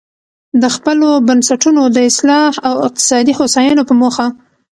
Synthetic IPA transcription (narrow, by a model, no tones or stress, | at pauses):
d̪əxpəlobansaʈunod̪əɪslɑhawɪq̚t̪ɪ̥sɑd̪ixosɑjənopəmoxa